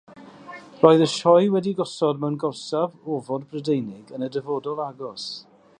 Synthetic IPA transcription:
rɔɨðəʃɔjwɛdiɡɔsɔdmɛwnɡɔsavɔvɔdbrədejnɪɡənədəvɔːdɔlˠaɡɔs

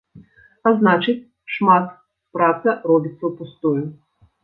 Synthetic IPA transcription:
aznat͡ʂɨt͡sʲ | ʂmat̪ | pɾat̪sɐrɔbʲit̪sːɐwpust̪ujʊ

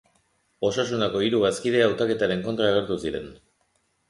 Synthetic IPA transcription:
o̞sasunako̞iɾuɣaskið̞e̞awt̪ake̞t̪aɾe̞ŋko̞nt̪ɾaeɣeɾt̪usiɾe̞̰n

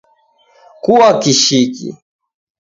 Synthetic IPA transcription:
kuwakiʃikḭ

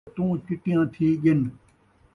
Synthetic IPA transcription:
t̪ũːkɪʈɪjãːt̪ʰiːɡɪn

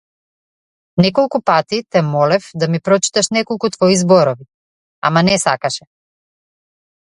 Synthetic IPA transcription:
nɛkɔlˠkupat̪it̪ɛmɔlɛfd̪amipɾɔt͡ʃi̥t̪aʃnɛkɔlˠkut̪vɔizbɔɾɔvi | a̰manɛsa̰kaʃɛ

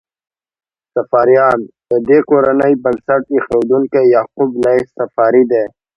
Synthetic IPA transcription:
sɐfaːɾijɑːnd̪əd̪ekoɾɐnəibɐɡsɐʈixewd̪uŋkejaːqublaisɐfaːɾid̪eː

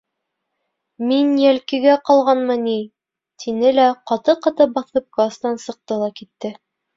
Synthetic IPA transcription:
minjælkɘ̆ɡæqɑlˠʁɑnmɤni | t̪ʰinɘlæqɑt̪ɤqɑt̪ɤbɑθɤp̚ɡɑst̪nɑnsɤ̆q̚t̪ɤlˠɑkit̪ːɘ

